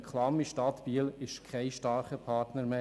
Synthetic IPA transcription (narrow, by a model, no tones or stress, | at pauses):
kʰlɑmiʃtɑt̪piəlɪʃkʰχɛɪʃtɑːɾχəpʰɑːrtnəɾme